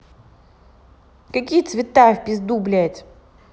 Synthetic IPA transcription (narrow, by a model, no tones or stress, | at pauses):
kɐkʲijt̪svʲɪt̪afʲpʲɪzd̪ublʲɛt̪ʲ